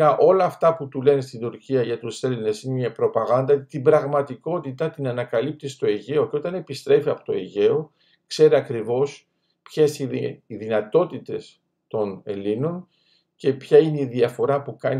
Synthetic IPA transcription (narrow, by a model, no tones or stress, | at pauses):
ɐʔo̞lɐːft̪ɐput̪ule̞nist̪ind̪uɾciɐʝɐt̪use̞line̞sineɐpɾo̞pɐɣɐnd̪ɐt̪ibɾɐɣmɐt̪iko̞t̪it̪ɐt̪inɐnɐkɐlip̚t̪ist̪o̞eʝe̞oco̞t̪ɐne̞pist̪ɾe̞fiɐpo̞̥t̪o̞eʝe̞o̞ | kse̞ɾeɐkɾivo̞s | pçesiiðinɐt̪o̞t̪it̪e̞s | t̪o̞ne̞̰lino̞n | ce̞pçɐineiðiɐfo̞ɾɐpukɐn